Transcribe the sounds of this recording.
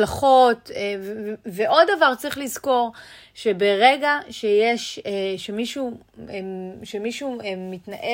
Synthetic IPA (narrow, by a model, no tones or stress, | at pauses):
laχo̞tevveʔo̞ddavaʁt͡sʁiχlizko̞ʁ | ʃe̞be̞ʁeɡaʃejeʃeʃemiʃu | eʃemiʃuemːitnaʔe